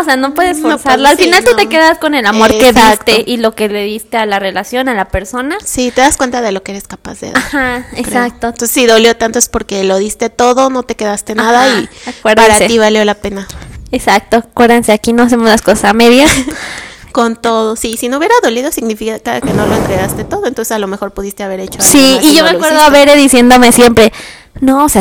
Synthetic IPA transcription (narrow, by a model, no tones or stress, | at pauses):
oseano̞pwe̞ðesnosaɾlaalfinnalt̪ut̪ekeðaskonelamo̞ɾeðist̪eʔilo̞ke̞leðist̪e̞alare̞lasjo̞nalape̞ɾso̞nasit̪e̞ðaskwe̞nt̪aðe̞lokeeɾe̞skapa̰zðḛðaxaeɾak̚t̪ononsesiðo̞ljo̞t̪ant̪oespo̞ɾke̞lo̞ðist̪e̞t̪o̞ðo̞no̞t̪e̞ke̞ðast̪e̞naðaiakweɾðaɾatseiβaljo̞lape̞naesak̚t̪okwe̞ɾðense̞akino̞as̬e̞mozlaskosasameðja | kont̪o̞ðo̞sisinouβjeɾaðo̞liðo̞siɣnifikakakenoloent̪ɾeɣast̪e̞t̪o̞ðoent̪o̞nsesalo̞mexo̞ɾpuðist̪e̞aβe̞ɾet͡ʃosiːʝo̞meakwe̞ɾðoaβeɾeðisje̞nd̪o̞me̞sje̞mpɾe̞ | noose